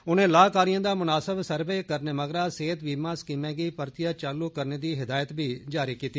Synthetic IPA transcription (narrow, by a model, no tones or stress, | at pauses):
ʊnẽːlaːkaːɾɪjãːd̪aːmʊnaːsəbsəɾbeːkəɾneːməɡɾaːseːt̪ʋiːmãːskiːmɛ̃ːɡəːpəɾt̪ɪjaːt͡ʃaːluːkəɾneːd̪iːɦɪd̪aːjət̪biːd͡ʒaːɾiːkiːt̪i